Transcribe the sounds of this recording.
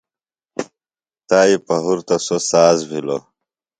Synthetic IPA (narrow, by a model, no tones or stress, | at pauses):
t̪aːipɐɦuɾt̪ɐsosaːzbʱilo̰